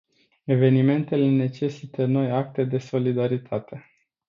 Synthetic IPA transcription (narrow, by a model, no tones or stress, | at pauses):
e̞ve̞nime̞nt̪e̞le̞ne̞t͡ʃe̞sit̪əno̞jak̚t̪e̞d̪e̞so̞lid̪aɾit̪ʰat̪e̞